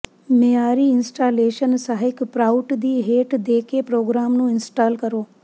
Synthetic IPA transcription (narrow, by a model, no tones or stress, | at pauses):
meaːɾiɪnsʈaːleːʃənsaɦɪkpɾaːʊʈd̪iːɦeːʈd̪eːkepɾoːɡɾaːmnũɪnsʈaːlkɐɾoː